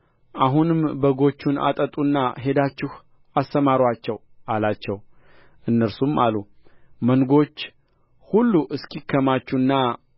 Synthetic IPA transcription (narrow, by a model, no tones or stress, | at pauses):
ʔaɦunɨmbəɡo̞t͡ʃːuna̰t̪ʼət̪ʼunːaɦe̞d̪at͡ʃːɪh | ast̪əmaɾwat͡ʃːɛw | alat͡ʃːɛw | ʔɨnːəɾsumalumənɡo̞t͡ʃː | hulːuʔɨskʰikʰːəmat͡ʃːunːa